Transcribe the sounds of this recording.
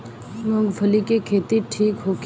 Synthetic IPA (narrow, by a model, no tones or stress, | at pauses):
mõɡbʰʱəlikekʰeːt̪iʈʰiːkɦoːk